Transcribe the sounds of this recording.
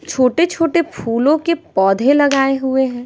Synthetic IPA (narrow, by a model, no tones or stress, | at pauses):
t͡ʃʰoːʈet͡ʃʰoːʈepʰuːlõkepɔːd̪ʱẽlɐɡaːeɦʊeɦɛ̃ː